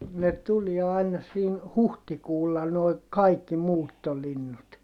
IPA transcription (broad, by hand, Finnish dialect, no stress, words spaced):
ne tuliɛ ɑinɑ siːn huhtikuːlːɑ noi kɑikːi muːtːolinːut